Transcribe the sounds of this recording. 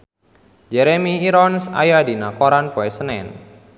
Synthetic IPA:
d͡ʒɛɾemiːɾɔnsa̰jadinakoɾankoɛsənɛ̰n

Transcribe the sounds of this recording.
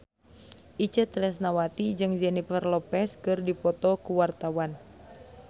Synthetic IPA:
ʔit͡ʃət̪lɛsnawat̪id͡ʒɨŋd͡ʒɛnifərlɔpɛskɨrdipɔt̪ɔkuwart̪awan

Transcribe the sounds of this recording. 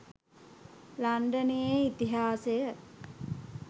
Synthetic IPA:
laɳɖənejeit̪iɦaːsejə

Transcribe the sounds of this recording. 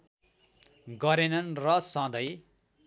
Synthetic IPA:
ɡʌɾenʌnrʌsʌ̃d̪ʌj

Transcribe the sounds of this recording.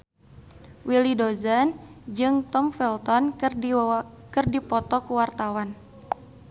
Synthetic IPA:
wʔilidozand͡ʒɨŋt̪ɔmfɛlt̪ɔn | kɨrdipɔt̪ɔkuwart̪awan

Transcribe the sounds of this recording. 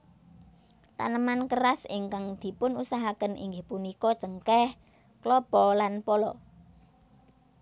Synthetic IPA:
t̪a̰nəmankərasɪŋkaŋd̪̥i̤pʊnusaɦakənʔḭŋɡɪhpunikɔd̥ʒ̥əŋkɛh | klɔb̥ɔlanpɔlɔ

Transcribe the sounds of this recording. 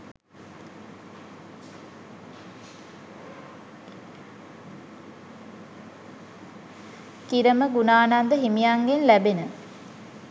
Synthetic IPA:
kiɾəməɡunaːnand̪əɦimijaŋɡenlæbenə

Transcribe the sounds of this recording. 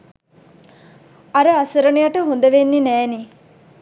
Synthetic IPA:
aɾəasəɾənijaʈəɦond̪əʋenːinæːni

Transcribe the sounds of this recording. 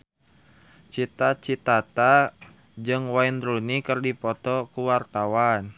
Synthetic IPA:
t͡ʃit̪at͡ʃit̪at̪a | d͡ʒɨŋwaind̪ɾunikɨrdipɔt̪ɔkuwart̪awan

